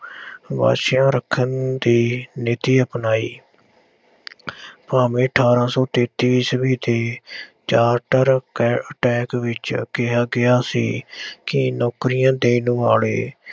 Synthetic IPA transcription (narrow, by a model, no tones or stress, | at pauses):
ʋa̰ːʃjãːɾəkʰːənd̪iːnɪːt̪iːəpnaːiː | paːmẽːəʈʰaːɾãːsɔːt̪eːt̪iːsbiːt̪eːt͡ʃaːɾʈəɾkːəʈɛːkʋɪt͡ʃkɪɦaːɡɪaːsiːkɪnɔːkɾɪjãːd̪eːnʊaːlḛː